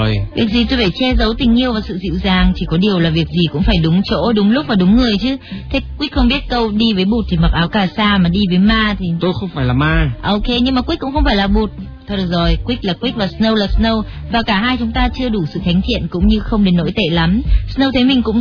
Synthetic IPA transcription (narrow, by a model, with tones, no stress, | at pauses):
vi˨˩ək̚zi˨˩t̪o˧jva˧˩jt͡ɕɛ˧zə˨˦wt̪ï˨˩ŋ̟ʔi˧əwvaː˨˩sɨ̰˧˨zḭ˧˨wzaː˨˩ŋt͡ɕi˧˩kɔ˨˦ɗi˨˩əwlaː˨˩vi˨˩ək̚zi˨˩kʊ̰˧˥ŋ͡mfaː˧˩jɗʊ˨˦ŋ͡mt͡ɕo̰˧˥ɗʊ˨˦ŋ͡mlk͡p̚vaː˨˩ɗʊ˨˦ŋ͡mŋɨ˨˩əjt͡ɕɨ˨˦t̪ʰe˨˦˥kwi˦˥xə˧wŋ͡mɓi˦˥ət̚kə˧wɗi˧vəː˨˦jɓu˨˩t̚t̪ʰi˨˩ma˨˩k̚ʔaː˨˦wkaː˧˩saː˧maː˨˩ɗi˧vəː˨˦jmaː˧t̪ʰi˨˩t̪o˧jxə˧wŋ͡mfaː˧˩jlaː˨˩maː˧ʔo˧ke˧ɲɨ˧ŋmaː˨˩kwi˦˥k̚kʊ̰˧˥ŋ͡mxə˧wŋ͡mfaː˧˩jlaː˨˩ɓu˨˩t̚t̪ʰə˨˩t̚ɗɨ˨˩k̚zo˨˩jkwi˦˥k̟̚laː˨˩kwi˦˥k̚vaː˨˩snə˧wlaː˨˩snə˧w | vaː˨˩kaː˧˩ɦaː˧jt͡ɕʊ˨˦ŋ͡mt̪aː˧t͡ɕɨ˧əɗu˧˩sɨ̰˧˨t̪ʰa˨˦jŋ̟t̪ʰḭ˧˨ənkʊ̰˧˥ŋ͡mɲɨ˧xə˧wŋ͡mɗe˨˦nːo̰˧˥jt̪ḛ˧˨la˨˦msnə˧wt̪ʰə˨˦jmï˨˩ŋ̟kʊ̰˧˥ŋ͡m